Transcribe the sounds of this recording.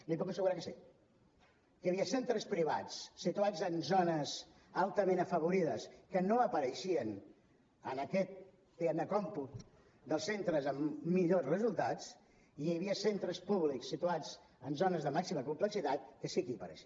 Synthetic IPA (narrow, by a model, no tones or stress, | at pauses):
lipɔkəsəɣuɾakəsḭ | kəjəβiəsent̪ɾəspɾiβa̰t͡ssit̪uad͡zənzonəz | alˠt̪əmẽnəfəβ̞uɾiðəskənoəpəɾəʃiən | ənəkɛt̪̚ | d̪iɛmnəkɔmput̪ | d̪əlˠsent̪ɾəzəmːiʎozrəzulˠt̪at͡s | ijəβ̞iəsent̪ɾəspuβliksːit̪uad͡z | ənzonəzðəmaksiməkumpləksit̪at̪kəsikipə̰ɾə̰ʃ